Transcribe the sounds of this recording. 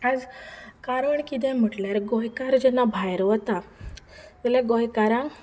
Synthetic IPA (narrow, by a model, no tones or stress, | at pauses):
ad͡zkaɾəɳkit̪̬ɛ̃m̤əʈljaɾɡɔjkaɾd͡ʑɛnabʱajɾʋət̪a | t̪ɛlɛɡojkaɾã